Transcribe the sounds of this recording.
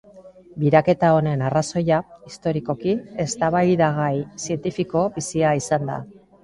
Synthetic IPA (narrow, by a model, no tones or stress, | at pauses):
biɾake̞t̪ao̞ne̞naraso̞jaist̪o̞ɾiko̞kie̞st̪aβajðaɣajsie̞nt̪ifiko̞bisiaisand̪a̰